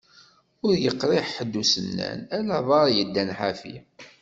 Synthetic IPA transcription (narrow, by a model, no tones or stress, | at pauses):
ʊɾjəqːɾɪħħəd̪ːusənːæ̰nælæðˤɑɾˤjəd̪ːænħafḭ